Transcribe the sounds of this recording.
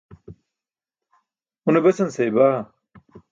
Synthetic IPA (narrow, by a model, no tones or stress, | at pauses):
unebɐsɐnsejbaː